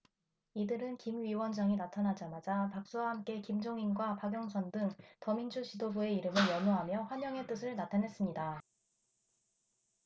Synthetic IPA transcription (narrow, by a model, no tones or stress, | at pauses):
idɯɾɯnkimɥiwʌnd͡ʑaŋinatʰanad͡ʑamad͡ʑapak̚s͈uaɦamk͈e̞kimd͡ʑoŋinɡwapaɡjʌŋsʰʌndɯŋtʌmind͡ʑuɕʰidobue̞iɾɯmɯɭjʌnoɦamjʌɸwaɲjʌŋe̞t͈ɯsʰɯɭnatʰanɦe̞s͈ɯmɲida